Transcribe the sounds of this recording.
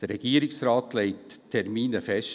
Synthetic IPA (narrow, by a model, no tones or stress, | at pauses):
d̥əɾːɛɡ̥iːəɾɪksrɑːt̪leɪttʰːɛɾmiːnəfɛʃ